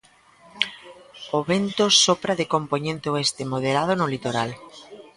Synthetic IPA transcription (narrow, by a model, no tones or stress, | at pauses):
oβent̪osopɾaðekompoɲẽnt̪eoest̪emoð̞eɾað̞onʊlit̪oɾal